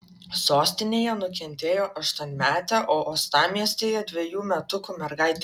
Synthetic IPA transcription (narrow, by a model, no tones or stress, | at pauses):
soːsʲt̪ʲɪnʲeːjɛnʊkʲɛnʲt̪ʲeːjoːʔɐʃt̪uɔnʲmʲæːt̪ʲæʔoːʔoːst̪ɑːmʲiɛsʲt̪ʲeːjɛd̪ʲʋʲejuːmʲɛt̪ʊkʊmʲɛɾɡɐɪt̪ʲ